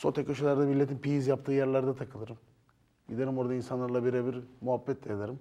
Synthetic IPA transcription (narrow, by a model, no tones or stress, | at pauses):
so̞t̪ʰekʲoʃelʲæɾd̪ɛmilʲːet̪ʰimpijizjapt̪ʰɯːjæɾlʲæɾd̪ɛt̪ʰakʰɯlˠɯɾɯm | bilʲeɾimo̞ɾad̪ainsanlˠaɾlˠabiɾeβiɾmuɦabːɛt̪ʰlʲejad̪aɾɯm